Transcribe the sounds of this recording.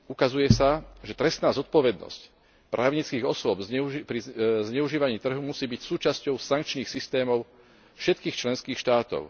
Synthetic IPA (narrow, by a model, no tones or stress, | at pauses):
ukazujɛsaʒɛt̪ɾɛst̪naːzɔt̪̚pɔʋɛd̪̚nɔ̰sc | pɾʔaːʊɲit͡skiːɣɔsʊɔbzɛuipɾizɲɛuʒiːʋaɲiːt̪r̩ɦumusiːbicsuːt͡ʃascɔʊsaŋk̚t͡ʃniːxsist̪ɛːmɔʊ | fʃɛt̪kiːxt͡ʃlɛnskiːxʃt̪aːt̪ɔ̰ʊ